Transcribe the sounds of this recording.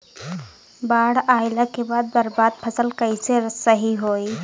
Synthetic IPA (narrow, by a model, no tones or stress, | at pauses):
baːɽaːɪlakebaːd̪̚bɐɾbaːd̪̚pʰɐsəlkəiseɾsəɦiɦoːi